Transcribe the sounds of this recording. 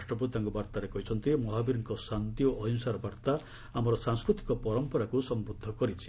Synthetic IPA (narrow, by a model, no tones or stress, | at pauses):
asʈɾɔput̪aŋkɔbaɾt̪aɾekɔɦit͡ʃʰɔnt̪imɔɦabiɾiŋkɔsant̪ioʔɔɦɔnsaɾɔbaɾt̪a | amɔɾɔsaŋskɾut̪i̥kɔpɔɾɔmpɔɾakusɔmbɾud̪ʱːɔkɔɾit͡ʃʰi̥